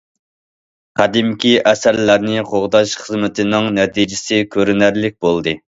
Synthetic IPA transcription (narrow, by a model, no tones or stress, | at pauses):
qʰæd̪ɪmkʲiʔɛsæɾlæɾnɪqʰoʁd̪ɑʃχəzmɪt̪ʰɪnɪŋnɛt̪ʰid͡ʒɪsɪkʲʰøɾynæɾlɪk̚ʲbolˠd̪ɨ